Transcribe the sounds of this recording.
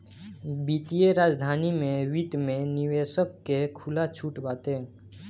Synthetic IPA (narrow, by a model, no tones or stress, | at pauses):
biːt̪ijeɾaːd͡ʒd̪ʱaːnimẽwit̪mẽnɪʋeːʃəkːekʰʊlat͡ʃʰuːʈbaːt̪ẽː